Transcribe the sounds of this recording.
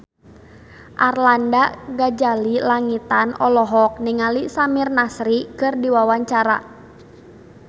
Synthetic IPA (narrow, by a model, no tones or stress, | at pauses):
ʔarlandaɡad͡ʒalilaŋit̪anɔlɔɦɔk̚niŋalisamirnasɾikɨrdiwawaɲt͡ʃaɾa̰